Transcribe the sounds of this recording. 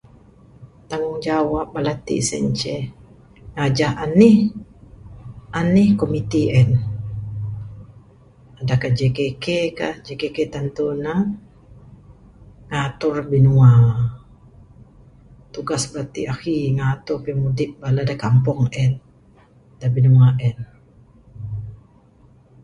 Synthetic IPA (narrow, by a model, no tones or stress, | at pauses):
t̪aŋʊŋd͡ʒawap̚balat̪ḭsɛ̰ɲt͡ʃɛ | ŋad͡ʒahanih | ʔanihkomit̪iʔɛn | adakad͡ʒekekekahd͡ʒekeket̪ant̪una | ŋat̪ʊrbinua | t̪uɡasbəɾat̪ḭaxiŋat̪ʊrpimudɪʔ̚baladakampɔŋɛn | dabinuaʔɛn